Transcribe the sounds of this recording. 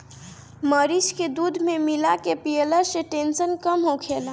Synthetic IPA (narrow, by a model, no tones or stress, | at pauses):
məɾisked̪ud̪ʱmemilakepiələseʈensənkəmɦokʰel